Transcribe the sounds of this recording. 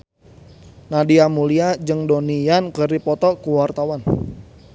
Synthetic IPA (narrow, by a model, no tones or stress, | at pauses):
nadiamuliad͡ʒɨŋdonijankəripɔt̪ɔkuwart̪awan